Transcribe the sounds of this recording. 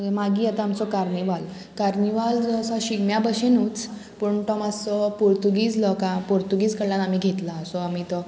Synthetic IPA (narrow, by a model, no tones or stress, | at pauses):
maɡiːjɛt̪aamt͡sɔkaɾniʋal | kaɾniʋald͡zəsaɕiɡmjabəɕenuːt͡s | puɳʈɔmasɔpuɾt̪uɡiːd͡zlɔkãpoɾt̪uɡiːd͡zkəɽlːanamiːɡʱet̪laəsɔamiːt̪ɔ